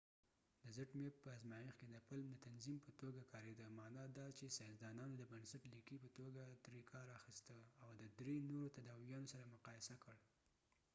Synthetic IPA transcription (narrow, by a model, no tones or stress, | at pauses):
d̪əzaʈmepəazmɑjɪxked̪əpalmd̪ət̪anzimpət̪oɡakʰɑɾed̪əmɑnɑd̪ɑt͡ʃesazd̪ɑnɑnod̪əbənsaʈlikipət̪oɡad̪ɾekʰɑɾaxist̪əawd̪əd̪ɾenoɾot̪ad̪ɑwijɑnosaɾamʊqɑjɪsakəɽ